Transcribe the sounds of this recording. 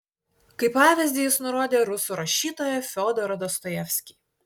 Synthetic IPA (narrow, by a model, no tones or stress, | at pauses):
kɐɪpːɑːʋʲɪzʲd̪ʲijɪsnʊɾoːd̪ʲeːɾʊsuːˑɾɐʃʲiːt̪oːjɛfʲɔːd̪ɔɾɐd̪ɔst̪ɔjɛfʲsʲkʲiːˑ